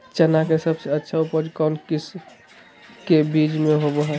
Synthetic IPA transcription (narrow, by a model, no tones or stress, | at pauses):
t͡ʃənakesəbseətːʃʰaupəd͡ʒkɔnkis | kebid͡ʒmeɦoboɦɛ